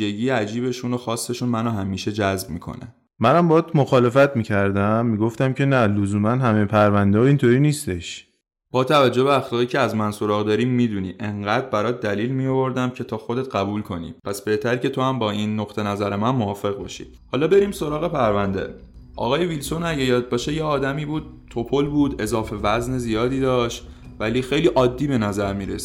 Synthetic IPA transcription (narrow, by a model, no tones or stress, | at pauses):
iʒe̞ɡiːjeæd͡ʒiːbe̞ʃunoxɒːsːe̞ʃunmænoɦæmiːʃe̞d͡ʒæzb̚miːkʰo̰ne | mænæmbɒːt̪moxɒːle̞fæt̪miːcʰæɾd̪æmːiːɡoft̪æmcʰe̞nælozuːmænɦæmejepʰæɾvænd̪eɒint̪ʰoɾiːniːst̪e̞ʃ | b̥ɒːt̪ʰævæd͡ʒːobeæxlɒːɣiːcʰeæzmænso̞ɾɒːɣd̪ɒːɾiːmːiːd̪uniːʔe̞ŋɢæːd̪bæɾɒːt̪̚d̪æliːlmijovo̞ɾd̪æmcʰe̞t̪ʰɒːxo̞d̪e̞t̪̚ɢæbuːlkʰo̞nḭːpʰæsb̥e̞ht̪ʰæɾce̞t̪ʰo̞hæmbɒːiːnːoqt̪ʰe̞næzæɾemænmohɒːfe̞ɣbɒ̰ːʃḭː | hɒːlɒːbe̞ɾiːmso̞ɾɒːɣe̞pʰæɾvænd̪ḛ | ʔɒ̰ːɣɒːjevilso̞næɟejɒːd̪̚bɒːʃejeɒːd̪æmiːbuːd̪̥̚t̪ʰo̞pʰo̞lbuːd̪e̞zɒːfe̞væznezijɒːd̪iːd̪ɒːʃt̪ | væliːxejliːʔɒːd̪ːiːbe̞næzæɾmiːɾḛsi̥